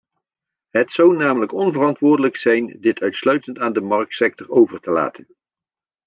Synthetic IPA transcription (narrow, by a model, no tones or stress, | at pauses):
ɦətsawnaːmələkɔnvərɑntʋʊːɹdələksɛjndɪtʰœɥtslœɥtəntaːndəmɑɹk̚tsɛk̚tɔɹowvəɹtəla̰ːtʰən